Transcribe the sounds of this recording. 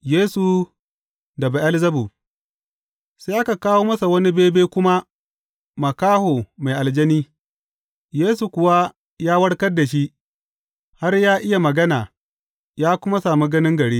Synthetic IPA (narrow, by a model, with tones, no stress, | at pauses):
jeː˦su˨ | dɐ˨ba˨ʔɐ˦lzɐ˦bu˨ | sa˦ʔa˦ka˨kaː˦woː˦mɐ˦sa˨wɐ˦ni˦beː˦beː˦kʷʊ˦ma˦ | mɐ˨kaː˦hoː˨ma˨jʔa˨ld͡ʒɐ˦niː˦ | jeː˦su˨kʷʊ˨wa˦ | jaː˦wɐ˦ɽkɐ˦rda˨ʃ̬i˦ | ha˦rjaː˦ʔɪ˦ja˨mɐ˨ɡɐ˦naː˨ | jaː˦kʷʊ˦ma˦saː˨mu˦ɡɐ˦nɪ˦ŋɡɐ˨ɽeː˦